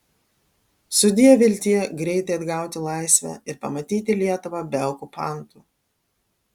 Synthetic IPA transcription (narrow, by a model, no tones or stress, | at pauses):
sʊd̪ʲijɛʋʲɪlʲt̪ʲiːɛɡɾʲɛɪt̪ɐɪɐd̪ɡɑˑʊt̪ʲɪlˠɑɪsʲʋʲæ̰ːɪɾpɐmɐt̪ʲiːt̪ʲɪlʲiɛt̪ʊʋɑbʲɛʊkupɑˑnt̪uː